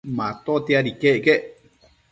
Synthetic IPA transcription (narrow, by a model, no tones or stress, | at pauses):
mãt̪ot̪eaɾikeʔke